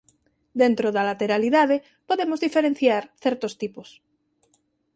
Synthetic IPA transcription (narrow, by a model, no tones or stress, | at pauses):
d̪ent̪ɾoðalat̪eɾaliðað̞e | poðemozðifeɾen̟θjaɾθeɾt̪ost̪ipos